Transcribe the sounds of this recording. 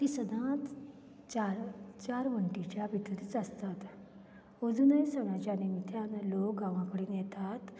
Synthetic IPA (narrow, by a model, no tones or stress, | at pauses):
t̪iːsəd̪ʱãt̪ | t͡ɕaɾt͡ɕaɾʋəɳʈit͡ɕjabʱit̪əɾit͡səst̪at̪ | əd͡zunəjsəʋɽat͡ɕjanemit̪ʰjanlok̚ɡãʋãkəɽiːnjɛt̪at̪